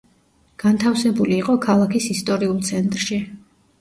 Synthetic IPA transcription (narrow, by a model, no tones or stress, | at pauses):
ɡ̥ant̪ʰafsɛbuliːqʼɔkʰalˠakʰisist̪ʼɔɾiulˠt̪sʰɛnt̪ʼɾʃi